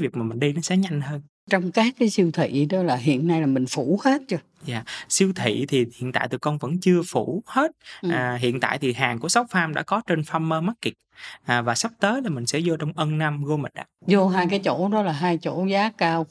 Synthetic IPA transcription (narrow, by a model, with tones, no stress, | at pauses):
vi˨˩ək̚maː˨˩mï˨˩ŋ̟ɗi˧nɔ˨˦sɛ̰˧˥ɲa˧jŋ̟həː˧n | t͡ɕɔ˧wŋ͡mkaː˦˥kːaː˨˦jsi˧wt̪ʰḭ˧˨ɗɔ˨˦laː˨˩ɦḭ˧˨ənːa˧jlaː˨˩mï˨˩ŋ̟fu˧˩˥he˦˥t̚t͡ɕɨ˧ə | zaː˨˩si˧əwt̪ʰḭ˧˨t̪ʰi˨˩hḭ˧˨ənt̪a̰ː˧˨t̪ɨ˨˩kɔ˧nvə̰˧˥nt͡ɕɨ˧əfu˧˩he˦˥t̚ːɦḭ˧˨ənt̪a̰ː˧˨jt̪ʰi˨˩ɦaː˨˩ŋku˧˩əsa˨˦wfaː˧mɗa̰ː˧˥kɔ˨˦t͡ɕe˧nfa˧mːəː˧ma˦˥t̚ki˨˩k̚ʔːvaː˨˩sa˦˥p̚t̪əː˨˦jlaː˨˩mï˨˩ŋ̟sɛ̰˧˥zo˧t͡ɕɔ˧wŋ͡mʔə˧nna˧mɣo˧mə˨˩ʔa̰ː˧˥zo˧ɦaː˧jkaː˨˦jt͡ɕo̰˧˩˨ɗɔ˨˦laː˨˩ɦaː˧jt͡ɕo̰˧˩˥zaː˨˦kaː˧w